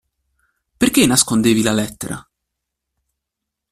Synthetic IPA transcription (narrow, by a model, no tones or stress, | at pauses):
perk̟enaskond̪eːvilalɛt̪ːeɾʔa̰